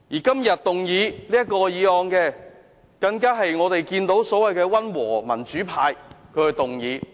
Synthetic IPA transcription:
jiː˨˩kɐ˥mjɐ˨t̚t̪ʊ˨ŋjiː˨˥liː˥jɐ˥t̚kːɔː˧jiː˨˧ɔː˧ŋkɛː˧ | kɐ˧ŋkaː˥ɦɐ˨jŋɔː˨˧t̪e˨jkiː˧nt̪o˨˥wsɔː˨˥wɐ˨jkɛː˧wɐ˥nwɔ̰ː˨˩mɐ̰˨˩nt͡ʃyː˨˥pʰaː˧jkʰɵ˨˧ɥhɵ˨˧t̪ʊ˨˩ŋjiː˨˥

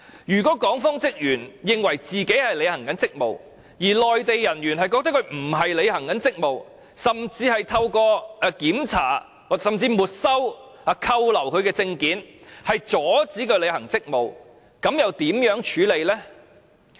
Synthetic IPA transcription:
jyː˨˩kɔː˨˥kɔː˨˥ŋfɔː˥ŋt͡sɪ˥k̚jyː˨˩njɪ˨ŋwɐ˨˩jt͡siː˨ke˨˥jhɐ˨jle˨˧hɐ˨˩ŋkɐ˨˥nt͡sɪ˥k̚mo̰˨˩w | jiː˨˩lɔː˨jt̪e˨jːɐ˨˩nɥyː˨˩nhɐ˨jkɔː˧k̚t̪ɐ˥kʰɵ˧ɥm̩˨˩ɦɐ˨jle˨˧jhɐ˨˩ŋkɐ˨˥nt͡sɪ˥k̚mo˨w | sɐ˨mt͡siː˧hɐ˨jt̪ʰɐ˧wkɔː˧˨˧kiː˨˥mt͡sʰa̰ː˨˩ | wsɐ˨mt͡siː˧muː˨t̚sɐ˥w | ɐ˨˧kʰɐ˧wlɐ˨˩wkʰɵ˨˧ɥkɛː˧t͡sɪ˧ŋkiː˨˥nhɐ˨jt͡sɔː˨˥t͡siː˨˥kɵ˧le˨˧jhɐ˨˩ŋt͡sɪ˥k̚mo˨w | kɐ˨˥mjɐ˨wt̪iː˨˥mjœː˨˥ŋt͡ʃʰyː˨˥le˨˧jlɛː˥

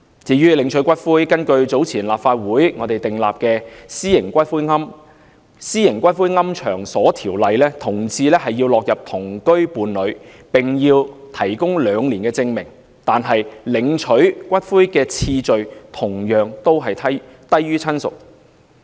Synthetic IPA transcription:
t͡siː˨˥jyː˥lɪ˨˧ŋt͡ʃʰɵ˨˥ɥkʷɐ˥t̚fuː˥jkɐ˥nkɵ˧ɥt͡so˨˥wt͡sʰiː˨˩nlaː˨p̚faː˧t̚wuː˨˥jŋɔː˨˧t̪e˨jt̪ɪ˨ŋlaː˨p̚kɛː˧siː˥jɪ˨˩ŋkʷɐ˥t̚fuː˥jŋɐ˥m | siː˥jɪ˨˩ŋkʷɐ˥t̚fuː˥jŋɐ˥mt͡ʃʰœ̰ː˨˩ŋsɔː˨˥t̪ʰiː˨˩wlɐ˨jlɛː˥t̪ʰʊ˨˩ŋt͡sʰiː˧lɛː˥hɐ˨jːiː˧wlɔː˨k̚jɐ˨p̚t̪ʰʊ˨˩ŋkɵ˥ɥpuː˨˧˥nlɵ˨˧ɥ | pɪ˨ŋjiː˧wt̪ʰɐ˨˩jkʊ˥ŋlœː˨˧ŋliː˨˩nkɛː˧t͡sɪ˧ŋmɪ˨˩ŋ | t̪aː˨nɦɐ˨jlɪ˨˧˥ŋt͡ʃʰɵ˨˥kʷɐ˥t̚fuː˥jkɛː˧t͡sʰiː˧t͡ʃɵ˨ɥt̪ʰʊ˨˩ŋjœː˨ŋt̪o˥wɦɐ˨j̪ʰt̪ɐ˥jːyː˥t͡sʰɐ˥nsʊ̰˨k̚

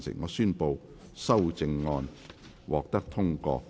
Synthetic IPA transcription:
sɪ̰˨˩ŋːɔː˨˧syː˥npo˧w | sɐ˥wt͡sɪ˧ŋːɔː˧n | wɔː˨k̚t̪ɐ˥k̚t̪ʰʊ˥ŋkɔ̰ː˧

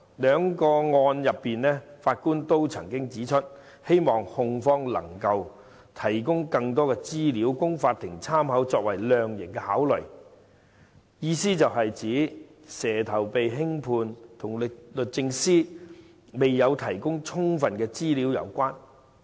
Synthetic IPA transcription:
lœː˨˧ŋkɔː˧ŋɔː˧njɐ˨pːiː˨nlɛː˥faː˧t̚kuː˥nt̪o˥wt͡sʰɐ̰˨˩ŋkɪ˥ŋt͡siː˨˥t͡ʃʰɵ˥t̚ | he˥jmɔː˨ŋhʊ˧ŋfɔː˥ŋlɐ̰˨˩ŋkɐ˧w | t̪ʰɐ˨˩jkʊ˥ŋkɐ˧ŋt̪̬ɔː˥kɛ˧t͡siː˥liː˨˥wkʊ˥ŋfaː˧t̪ʰːɪ˨˩ŋt͡sʰaː˥mɦɐ˨˥wt͡sɔː˧k̚wɐ˨˩jlœː˨ŋjɪ˨˩ŋkɛː˧haː˨˥wlɵ˨˩j | jiː˨˧siː˥t͡sɐ˨wɦɐ˨jt͡siː˨˥ | sɛː˨˩t̪ʰɐ˨˩wpe˨jɦɪ˥ŋpʰuː˧nt̪ʰʊ˨˩ŋlɪ˨lɵ˨t̚t͡sɪ˧ŋsiː˥ | me˨jːɐ˨˧wt̪ʰɐ˨˩jkʊ˥ŋt͡ʃʰʊ˥ŋfɐ˨nkɛː˧t͡siː˥liː˨˥wjɐ̰˨˧wkʷaː˥n

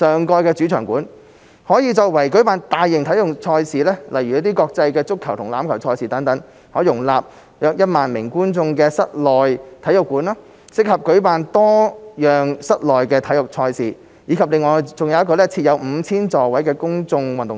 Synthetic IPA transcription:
sœː˨ŋkɔː˧jkɛː˧t͡syː˨˥t͡ʃʰœː˨˩ŋkuː˨˥n | hɔː˨˥jiː˨˧t͡ʃɔː˧wɐ˨˩jkɵ˨˥ɥpaː˨nt̪aː˨jːɪ˨ŋt̪ʰɐ˨˥jʊ˨˩ŋt͡sʰɔː˧jsiː˨lɛː˥lɐ˨˩jɥyː˨˩ɐ˥t̪i˥kɔː˧k̚t͡sɐ˧jkɛː˧t͡sʊ˥kʰːɐ˨˩wt̪ʰʊ˨˩ŋla̰ː˨˥mkʰɐ˨˩wt͡ʃʰɔː˧jsiː˨˩t̪ɐ˨˥ŋt̪ɐ˨˥ŋ | hɔː˨˥jjʊ˨˩ŋlaː˨p̚ | jœː˧k̚jɐ˥t̚maː˨nmɪ˨˩ŋkuː˥nt͡sʊ˧ŋkɛː˧sɐ˥t̚lɔː˨jt̪ʰjʊ˨˩kːuː˨˥nlaː˥ | sɪ˥k̚hɐ˨p̚kɵ˨˥ɥpaː˨nt̪ɔː˥jœː˨ŋsɐ˥t̚lɔː˨jkɛː˧t̪ʰɐ˨˥jʊ˨˩k̚t͡ʃʰɔː˧jsiː˨˩ | jiː˨˧kʰɐ˨p̚lɪ˨˧ŋɔː˨˧t͡sʊ˨ŋjɐ˨wjɐ˥kɔː˧lɛː˥t͡sʰiː˧t̚jɐ˨˧wm̩ː˨˧t͡sʰiː˥nt͡sɔː˨˩wɐ˨˥jkɛː˧kʊ˥ŋt͡sʊ˧ŋwɐ˨nt̪ʊ˨ŋ

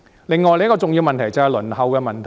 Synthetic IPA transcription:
lɪ˨ŋːɔː˨jle˨˥kɔː˧t͡sʊ˨ŋjiː˧wmɐ˨nt̪ʰɐ˨˩jt͡sɐ˨˧ɛ˨lɵ˨˩nhɐ˨wkɛː˧mɐ˨nt̪ʰ

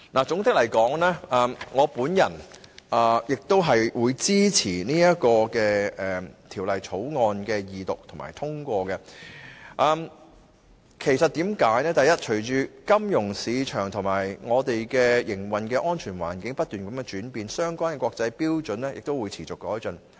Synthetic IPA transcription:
naː˨˩t͡sʊ˨˥ŋt͡sɪ˥k̚lɐ˨˩jkɔː˨˥ŋlɛː˥ʔɐː˨mŋɔː˨˧puː˨˥njɐ˨˩nʔɐː˨˩jɪ˨k̚t̪o˥wɦɐ˨jwuː˨˧jt͡siː˥t͡sʰiː˨˩niː˥jɐ˥t̚kɔː˧kɛː˧ɛː˨t̪ʰiː˨˩wlɐ˨jt͡sʰo˨˥wŋɔː˧nkɛː˧jiː˨t̪ʊ˨k̚t̪ʰʊ˨˩ma̰ː˨˩jt̪ʰʊ˥ŋkʷɔː˧ɡɛ˧ | ʔɐː˧m | kʰe˨˩jsɐ˨t̚t̪iː˨˥mkaː˨˥jnɛː˥t̪ɐ˨jɐ˥t̚t͡ʃʰɵ˨˩ɥt͡ʃyː˨˧kɐ˥mjʊ˨˩ŋsiː˨˧t͡ʃʰœː˨˩ŋt̪ʰʊ˨˩ŋmaː˨˩jŋɔː˨˧t̪e˨jkɛː˧jɪ˨˩ŋwɐ˨nkɛː˧ʔɔː˥nt͡ʃʰyː˨˩nwa̰ː˨˩nkɪ˨˥ŋpɐ˥t̚t̪yː˨˩nkɐ˨˦mkɛ˧t͡ʃyː˨˥npiː˨nsœː˥ŋkwaː˥nkɛ˧kʷwɔː˧k̚t͡sɐ˧jpiː˥wt͡sɵ˨˥nlɛː˥jʔɪ˨k̚t̪o˥wuː˨˧jt͡sʰiː˨˩t͡sʊ˨kːɔː˨˥jt͡ʃɵ˨n

